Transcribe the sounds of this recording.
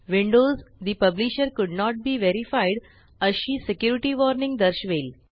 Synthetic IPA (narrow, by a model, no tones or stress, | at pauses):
ʋĩɳɖozd̪ipəbliʃəɾkʊɖnɔʈ̚biːʋeɾifajɖ | əɕiːsekjuɾiʈiʋɔɾnĩŋɡd̪əɾɕʋel